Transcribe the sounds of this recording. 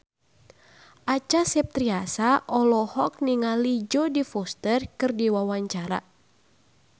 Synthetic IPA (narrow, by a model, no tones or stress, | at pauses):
ʔat͡ʃasɛp̚t̪ɾiasaʔɔlɔhɔk̚niŋalid͡ʒɔdifɔst̪ərkɨrdiwawaɲt͡ʃaɾa̰